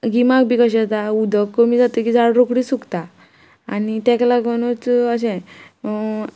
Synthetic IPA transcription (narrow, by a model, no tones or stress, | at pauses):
ɡimak̚bʱiːkəɕɛ̃t̪aud̪ʱəkːəmiːd͡zat̪əkiːd͡zaɽɾokɽisukt̪a | anit̪ɛklaɡmənut͡səɕɛ̃